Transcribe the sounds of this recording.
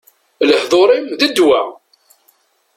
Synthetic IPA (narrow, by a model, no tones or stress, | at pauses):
ləhðˤoɾˤimðəd̪wæ